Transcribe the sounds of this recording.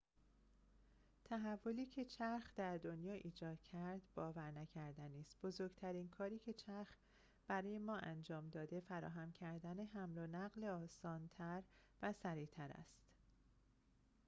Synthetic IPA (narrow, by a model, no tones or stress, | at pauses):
t̪ʰæɦævːo̞liːcʰe̞t͡ʃʰæɾxd̪æɾd̪o̞njɒːʔiːd͡ʒɒːd̪̥̚cʰæɾd̪bɒːvæɾnæcʰæɾd̪æniːst̪̚b̥o̞zoɾɡt̪ʰæɾiːnkʰɒːɾiːcʰe̞t͡ʃʰæɾx | b̥æɾɒːje̞mɒːʔænd͡ʒɒːmd̪ɒːd̪e̞fæɾɒ̰ːɦæmcʰæɾd̪æne̞ɦæmlonæɣleɒːsɒːnt̪ʰæɾ | væsæɾiːt̪ʰæɾæ̰st̪